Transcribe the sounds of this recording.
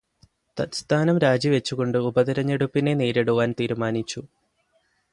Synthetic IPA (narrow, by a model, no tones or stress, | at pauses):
t̪ɐt̪st̪ʰaːnɐmɾaːd͡ʑiʋe̞t͡ɕːuɣo̞ɳɖɨubɐðiɾɐɲːeɽupːine̞ne̞ːɾeɽuʋaːnt̪iːɾumaːnit͡ɕːu